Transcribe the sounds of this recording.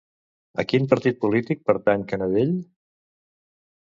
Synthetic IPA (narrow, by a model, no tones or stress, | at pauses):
ə̰kimpəɾt̪it̪̚pulit̪ik̚pəɾt̪aɲkənəðeʎ